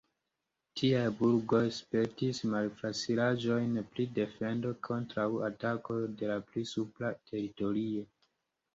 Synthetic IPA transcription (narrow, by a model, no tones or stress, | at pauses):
tʰiajbuɾɡo̞jspe̞ɾtismalflasilaʒo̞jnpɾide̞fe̞ndo̞kʰo̞ntɾawatako̞de̞laplisuplatʰe̞ɾito̞ɾio̞